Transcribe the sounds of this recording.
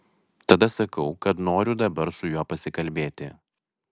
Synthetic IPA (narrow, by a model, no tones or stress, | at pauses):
t̪ɐd̪ɐsɐkɐʊkɐt̪noːɾʲʊd̪ɐbɐɾsʊjuɔpɐsʲɪkɐlʲbʲeːt̪ʲɪ̰